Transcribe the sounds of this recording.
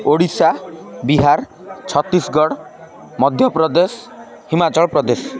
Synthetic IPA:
oɽisabiɦaɾ | t͡ʃʰɔt̪ːisɡɔɽ | mɔd̪ʱjɔpɾɔd̪es | himat͡ʃɔɭpɾɔd̪es

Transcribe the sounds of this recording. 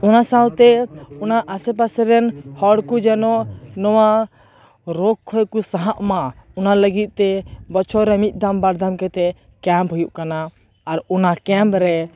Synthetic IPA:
ɔnasalt̪ɛunaʔəsɛp̬asɛɾɛnhɔɽkud͡ʒɛnɔʔnɔwa | ɾɔkʰːɔjkusaɦãʔmãɔnaləɡit̪̚ˀt̪ɛbɔt͡ʃʰɔɾɛmit̪̚ˀd̪ambaɾd̪ʱamkɛt̪ɛ | kɛmpɦujuʔkanaː | ɾɔnakɛmpɾɛ

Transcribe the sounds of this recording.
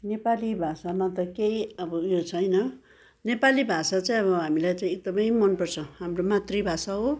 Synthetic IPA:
nepalibʱasanat̪ʌkeiʌbʌjot͡sʰʌjnʌ | nepalibʱasat͡saĩʌβʌɦamilajt͡saĩek̚d̪ʌmʌjmʌnpʌrt͡sʰʌɦamromat̪ribʱasaɦo

